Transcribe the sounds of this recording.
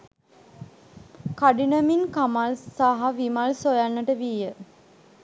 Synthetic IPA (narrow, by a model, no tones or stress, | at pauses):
kaɖinəminkamalsaɦaʋimalsojanːəʈəʋiːjə